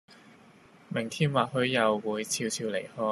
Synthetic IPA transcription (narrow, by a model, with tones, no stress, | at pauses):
mɪ˨˩ŋt̪ʰiː˥mwaː˨k̚ɦɵ˧ɥːɐ˨wːuː˨˧jt͡sʰiː˧wt͡sʰiː˧wle˨˩jhɔː˧˥